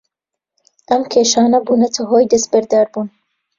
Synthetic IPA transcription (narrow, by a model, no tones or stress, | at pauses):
ʔɐmkʰeːʃaːnɐbuːnɐt̪ʰɐɦoːjd̪ɐst̪̚bɐɾd̪aːɾbuːn